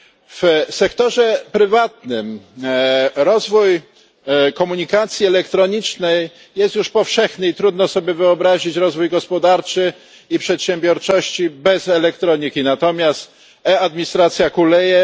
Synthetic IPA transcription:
fsɛkt̪ɔʐɛpɾɘvat̪̚nɘm | ɾɔzvuj | kɔmuɲikat̪sʲjiɛlɛkt̪ɾɔɲit͡ʂnɛj | jɛst̪juʂpɔfʂɛxnɘit̪ɾud̪nɔsɔbʲjɛvɘɔbɾaʑit͡ɕɾɔzvujɡɔspɔd̪aɾt͡ʂɘ | ipʂɛt̪ɕɛmbʲjɔɾt͡ʂɔɕt͡ɕibɛzɛlɛk̚t̪ɾɔɲikʲinat̪ɔmʲjast̪ | ɛad̪mʲiɲist̪ɾat̪sʲjakulɛjɛ

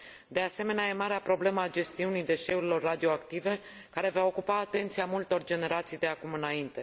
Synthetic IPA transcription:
d̪e̞ase̞me̞neajemaɾeapɾo̞ble̞məad͡ʒe̞st̪iunijd̪e̞ʃe̞uɾilo̞rːad̪io̞akt̪ive̞ | kaɾe̞vao̞kupaːt̪e̞nt̪siamult̪o̞rd͡ʒe̞ne̞ɾat̪sijd̪e̞akumɨnaint̪e̞

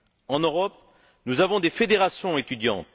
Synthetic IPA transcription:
ɑ̃nøʁɔp̚ | nuzavɔ̃d̪efed̪eʁasjɔ̃et̪yd̪jɑ̰̃t̪

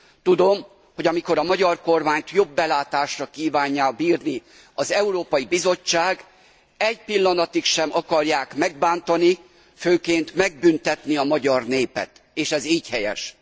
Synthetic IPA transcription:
t̪ud̪o̞m | ho̞ɟɒmiko̞ɾɒmɒɟɒrko̞rmaːɲt̪jo̞bːɛlaːt̪aːʃrɒkiːvaːɲːaːbiːrni | ɒzɛuɾoːpɒjibizo̞t͡ʃːaːɡ | ɛɟpilːɒnɒt̪ikʃɛmɒkɒrjaːkmɛɡ̚baːnt̪ɒni | føːkeːnt̪mɛɡ̚bynt̪ɛt̪niɒmɒɟɒrneːpɛ̰t̪ | eːʃɛziːchɛjɛ̰ʃ

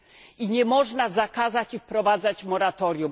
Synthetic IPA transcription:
iɲɛmɔʐnazakazat͡ɕifpɾɔvad̪zat͡ɕmɔɾat̪ɔɾʲjum

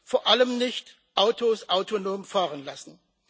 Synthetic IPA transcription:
foːɐʔaləmnɪçt | ʔaʊtʰosʔaʊtʰonoːmfaːʁənlasn̩

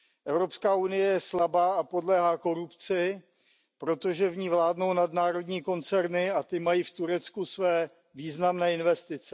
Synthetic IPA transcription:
ʔɛvɾo̞pskaːunɪjɛjɛslabaːapo̞dlɛːɦaːko̞ɾupt͡sɪ | pɾo̞t̪o̞ʒɛvɲiːvlaːdno̞wnadnaːɾo̞dɲiːko̞nt͡sɛɾnɪat̪ɪmajiːft̪uɾɛt͡skusvɛː | viːznamnɛːɪnvɛst̪ɪt͡sɛ

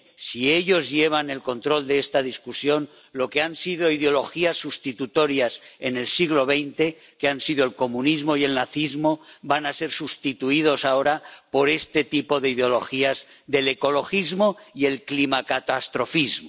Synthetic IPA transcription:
sie̞ʎo̞zʝe̞β̞ane̞lkont̪ɾo̞ld̪eest̪aðiskusjo̞n | lo̞keansiðo̞iðeo̞lo̞xiasːust̪it̪ut̪o̞ɾjase̞ne̞lsiɣlo̞β̞e̞jnt̪e̞ | keansiðo̞elko̞munizmo̞ie̞lnaθizmo̞banase̞ɾsust̪it̪uið̞o̞sao̞ɾapo̞ɾe̞st̪e̞t̪ipo̞ðeiðeo̞lo̞̰xiaz | ðe̞le̞ko̞lo̞xizmo̞ie̞lklimakat̪ast̪ɾo̞fizmo

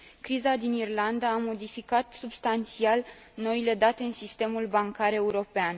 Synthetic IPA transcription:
kɾizad̪inirland̪aːmo̞d̪ifikat̪subst̪ant̪sial | no̞ile̞d̪at̪e̞ɨnsist̪e̞mulbaŋkaɾe̞uɾo̞pean

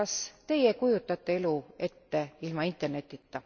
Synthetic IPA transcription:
ɑst̪e̞je̞kujut̪ːˑɑt̪ˑːe̞e̞lue̞t̪ːe̞ilmɑint̪ːˑerne̞t̪ːˑit̪ːɑ

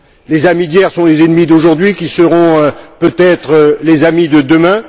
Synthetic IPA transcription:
lezamid̪jɛʁsɔ̃lezɛnmid̪oʒuʁd̪ɥikʲisəʁɔ̃øpøt̪ɛt̪χəlezamid̪əd̪əmɛ̃

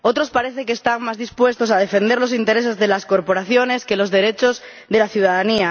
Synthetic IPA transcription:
o̞t̪ɾo̞spaɾe̞θekeːst̪aŋmazðispwe̞st̪o̞s̬að̞e̞fẽ̞nd̪e̞ɾlo̞s̬int̪eɾe̞s̬e̞zðe̞lasko̞ɾpo̞ɾaθjo̞ne̞ske̞lo̞zðe̞ɾe̞t͡ʃo̞z | ðe̞laθjuðaðania

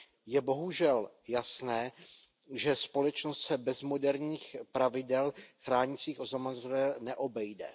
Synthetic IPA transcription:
jɛbo̞ɦuʒɛljasnɛː | ʒɛspo̞lɛt͡ʃnost̪sɛbɛzmo̞dɛɾɲiːxpɾavɪdɛlxɾaːɲɪt͡siːxʔozamazuɛnɛʔo̞bɛjdɛ̰

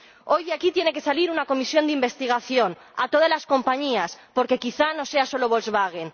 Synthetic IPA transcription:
o̞jðjakit̪je̞ne̞ke̞saliɾunako̞misjo̞nd̪imbe̞st̪iɣ̞aθjo̞n | a̰t̪o̞ðazlasko̞mpaɲiaspo̞ɾke̞kiθanose̞aso̞loβolzβaɣ̞en

